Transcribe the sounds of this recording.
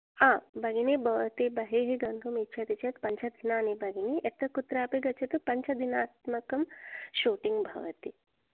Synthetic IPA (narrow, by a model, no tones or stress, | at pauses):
aːbɐɡiniːbʱɐʋɐt̪ibɐɦeːɦiɡɐŋɡ̪ʱumitːt͡ʃʰɐt̪it͡ʃʰɐt̪pɐɲt͡ʃʰɐd̪ʱinaːnibʱɐɡiniʔet̪ɐkut̪ɾaːpiɡɐt͡ʃʰɐt̪upɐɲt͡ʃʰɐd̪ʱinaːt̪mɐkɐmʃuːʈiŋɡbʱɐ̰ʋɐt̪i